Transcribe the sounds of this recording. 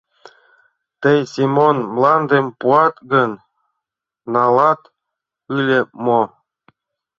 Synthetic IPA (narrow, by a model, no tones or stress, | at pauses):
t̪əjsʲimonmlˠɑnd̪empuɑt̪ɡɤ̆n | ɑlˠɑt̪ | ɯlʲemo